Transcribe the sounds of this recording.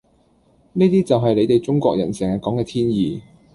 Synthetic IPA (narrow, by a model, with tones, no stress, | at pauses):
niː˥t̪iː˥t͡sɐ˨wɦɐ˨jle˨˧jt̪e˨jt͡sʊ˥ŋkʷɔ̰ː˧k̚jɐ̰˨˩nsɛː˨˩ŋaː˨kɔː˨˥ŋkɛː˧t̪ʰiː˥njiː˨˧